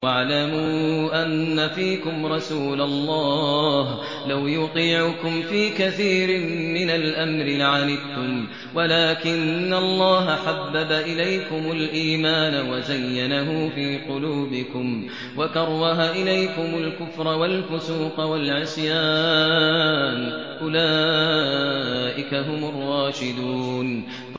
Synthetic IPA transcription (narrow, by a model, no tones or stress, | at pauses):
aʕlamuʔanːafiːkʊmɾˤɑsuːlalˤːɑːh | lawjʊqiːʕʊkʊmfiːkaθiːɾɪmɪnalʔamɾɪʕanɪb̚t̪ʊm | walaːkɪnːalˤːɑːɦaħabːabaʔɪlajkʊmʊlʔiːmaːnawazajːanaɦʊfiːqʊluːbɪkʊm | wakɑɾˤwɑɦaʔɪlajkʊmʊlkʊfɾˤɑwalfʊsuːqɑwalʕɪsˤjaː | n | ʔʊlaː | ʔɪkaɦʊmʊrˤːɑːʃɪd̪uːn